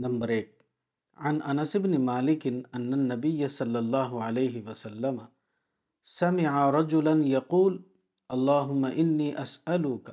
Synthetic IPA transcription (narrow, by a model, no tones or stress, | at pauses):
nambɑɾˤʔeːk̚ | ʕanʔanasɪbnɪmaːlɪkɪnʔanːanːabɪjːasˤɑlːɑlˤːɑːɦʊʕalejɦɪwasalːama | samɪʕaɾˤɑd͡ʒʊlanjɑquːl | ʔɑlˤːɑːɦʊmːaʔɪnːiːʔasʔalʊka